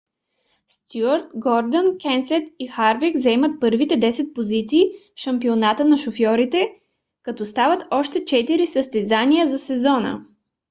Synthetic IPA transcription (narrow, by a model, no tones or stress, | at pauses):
st̪uəɾt̪ɡɔɾd̪ənkɛnsɛt̪ixaɾvikzɛmət̪̚pɤɾvit̪ɛd̪ɛsɛt̪̚pozit̪siːfʃɐmpionat̪ənɐʃofjɔɾit̪ɛ | kɐt̪ɔst̪avət̪ɔʃt̪ɛt͡ʃɛt̪iɾisəst̪ɛzanijəzɐsɛzɔnə̰